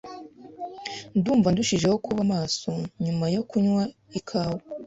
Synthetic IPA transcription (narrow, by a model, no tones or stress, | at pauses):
nduːɱvanduʃiʒe̞ho̞kʰuβamaːso̞ɲumajo̞kuɲwa | ikʰaːwo